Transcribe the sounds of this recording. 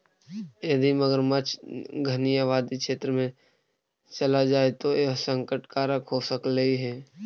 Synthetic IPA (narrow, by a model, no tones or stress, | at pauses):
ed̪ʱiməɡəɾmət͡ʃɡʱənijaʋaːd̪ikʃeːt̪ɾəmẽ | t͡ʃɐlad͡ʒaːet̪oeɦsə̃ŋkəʈkaːɾəkɦosəkləiɦɛː